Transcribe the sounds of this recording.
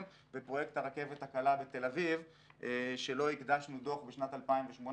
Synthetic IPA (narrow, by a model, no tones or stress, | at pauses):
m | bepʁo̞jekt̪haʁake̞vet̪hakalabet̪e̞laviv | ʃe̞lo̞ikd̪aʃnudoχbeʃnat̪alpaimveʃmon